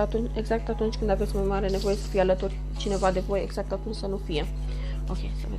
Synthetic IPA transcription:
at̪uneɡzak̚t̪at̪unt͡ʃkɨnd̪avɛt͡smɛmaɾɛnɛvojɛsə̥fialət̪uɾ | t͡ʃinɛvad̪evojɛɡz̥ak̚t̪at̪unsanufiɛ | okʲejsəvɛ

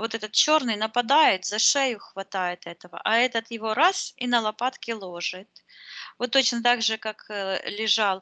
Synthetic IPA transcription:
vo̞t̪ɛt̪ət̪̚t͡ɕo̞rnɨjnəpɐd̪ajɪt̪zɐʂɛjʊxvɐt̪ajɪt̪ɛt̪əvə̰ʔɐɛt̪ət̪jɪvo̞ɾasinəlˠɐpat̪kʲɪlˠo̞ʐɨt̪̚ | ot̪ːo̞t͡ɕnət̪aɡʐɨkaklʲɪʐɑlˠ

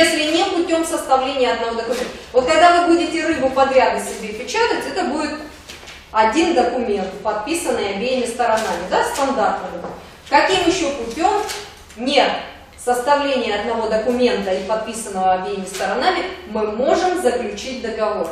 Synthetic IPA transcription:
esʲlʲɪnʲepʊtʲo̞msəst̪ɐvlʲenʲɪjəɐd̪nɐvo̞d̪əkʊmʲent̪əvo̞t̪̚kɐɡd̪avɨbudʲɪtʲɪɾɨbʊpɐd̪ɾʲad̪əsʲɪbʲepʲɪt͡ɕat̪əvətʲɛt̪əbudʲɪt̪ | ɐdʲind̪əkʊmʲe̞nt̪pɐt̪̚pʲisənːɨjɐbʲejɪmʲɪst̪əɾɐnamʲɪd̪ast̪ɐnd̪art̪nəvɨb | kɐkʲimjɪɕːopʊpʲo̞m | nʲe | səst̪ɐvlʲenʲɪjəɐd̪nɐvo̞d̪əkʊmʲe̞nt̪əipɐt̪̚pʲisənːəvəɐbʲejɪmʲɪst̪əɾɐnamʲɪmɨmo̞ʐɨmzəklʲʉt͡ɕit̚ʲd̪əɡɐvo̞r

